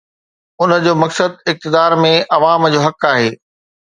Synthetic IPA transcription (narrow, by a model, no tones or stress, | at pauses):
ʊnə̆d͡ʑoːmɐksəd̪̚ɪk̚t̪ɪd̪aːɾmẽʔɐʋaːmd͡ʑoːɦɐkaːɦeː